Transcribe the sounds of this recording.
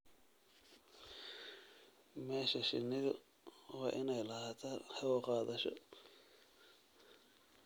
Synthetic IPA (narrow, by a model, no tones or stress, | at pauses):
mɛːʃɐʃɪnːɪðʊ | wɑːʔɪnɛjlɐhat̪ʰɐhɛwɔqɑːðɐʃɔ̰